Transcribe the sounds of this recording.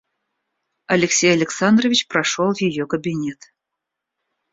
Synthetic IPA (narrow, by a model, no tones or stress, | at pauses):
ɐlʲɪksʲejɐlʲɪksand̪rəvʲit͡ɕpɾɐʂolˠjɪjokəbʲinʲet̪